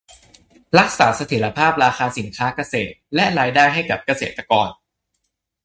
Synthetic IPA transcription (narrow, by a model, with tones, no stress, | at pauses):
ɾa˦˥k̚sa̰ː˩˦sa˧t̪ʰiː˨˩˦ɾa˧pʰaː˥˩p̚ɾaː˧xaː˧si˨˩˦nkʰaː˦˥ka˧sḛː˨˩t̪̚lɛ˦˥ɾaː˧jdaː˥˩jɦa˥˩jka˨˩p̚ka˧sḛː˨˩t̪ːa˧kɔː˧n